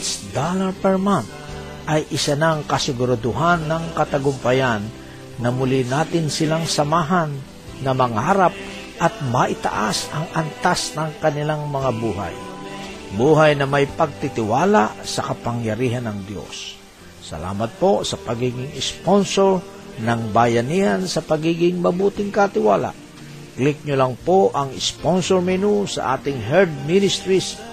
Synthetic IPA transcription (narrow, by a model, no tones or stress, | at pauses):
sd̪alɐpɛɹman | ʔɐjʔɪsanaŋkɐsɪɡʊɾad̪ʊɦanːɐŋkɐt̪ɐɡʊmpɐjanː | ɐmʊlinaːt̪ɪnsɪlaŋsɐmaːɦanː | ɐmɐŋaːɾap̚ | ʔɐt̪̚mɐʔɪt̪a̰ʔasɐŋɐnt̪asnɐŋkɐnɪlaŋmɐŋabuɦa̰j | buːɦajnɐmɐjpɐɡ̚t̪ɪt̪ɪwaːlaʔsɐkɐpɐŋjɐɾiːɦanɐŋd̪jo̰sː | ɐ̰la̰ːmɐt̪̚po̞sɐpɐɡiːɡɪŋɪsponsoɹ | nɐŋbajɐnihansɐpɐɡiːɡɪŋmɐbuːt̪ɪŋkat̪ɪwaːla̰ʔ | klɪk̚ɲʊlaŋpoʔɐŋɪsponsoɹmɛnusɐ̰ʔa̰ːt̪ɪŋɦɛɾd̪̚minɪst̪ɾis